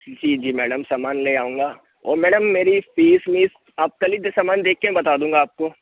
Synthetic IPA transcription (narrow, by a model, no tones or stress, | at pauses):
d͡ʒiːd͡ʒiːmɛːɽəmsaːmaːnleaːũːŋɡaː | ɔ̰ːɾmɛːɽəmːeːɾifiːsmiːs | aːp̚kɐlid̪esaːmaːnd̪eːkːeɛ̃bɐt̪aːd̪ũːŋɡaːp̚ko